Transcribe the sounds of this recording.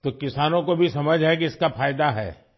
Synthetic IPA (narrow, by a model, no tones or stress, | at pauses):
t̪okɪsaːnõkobʱisɐməd͡ʒʱɦɛkiɪskafaːjd̪aɦɛ̰ː